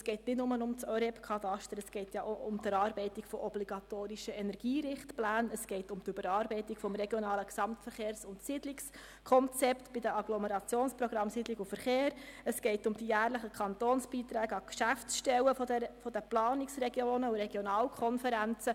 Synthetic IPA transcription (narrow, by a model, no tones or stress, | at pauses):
sɡ̥ɛɪtnɪtnʊmənʊmt͡sœɾɛpkʰɑt̪ɑʃtəɾəsɡ̥ɛɪtjɑʔoʔʊmt̪əɾɑːɾbɛɪtikfɔʔɔbliɡ̥ɑt̪oːɾiʃəɛnɛɾɡ̥iːɾɪχtplæːnəsɡ̥ɛɪtʊmtybəɾɑːɾbɛɪtikfɔmɾɛɡjɔnɑːləksɑmtfəɾχeːɾsʊntsidliks | kʰɔnt͡sɛpt̪b̥ɪdəɑɡ̥lɔməɾɑt͡sjoːnspɾɔɡ̥ɾɑmsidliɡufəɾχeːɾəsɡ̥ɛɪtʊmd̥ijæːɾləχəkʰɑnt̪oːnsb̥iːt̪ɾæːɡ̥əɑkʃæft͡sʃtɛwəfɛfɔd̥əplɑːniksrɛɡjoːnəuɾɛɡ̥jɔnɑːlkʰɔnfəɾænt͡sə